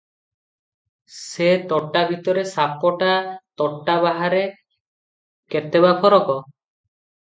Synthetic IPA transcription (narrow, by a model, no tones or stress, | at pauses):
set̪ɔʈːabʱit̪ɔɾesapɔʈat̪ɔʈːabaɦaɾe | ket̪ebapʰɔɾɔkɔ